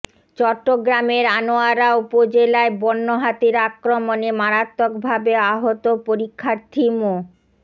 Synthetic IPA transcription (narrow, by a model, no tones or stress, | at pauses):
t͡ɕɔʈːoɡɾameɾanoaɾaupod͡ʑelaebɔnːoɦat̪iɾakɾomonemaɾat̪ːokbʱabeaɦot̪opoɾikʰːaɾt̪ʰimo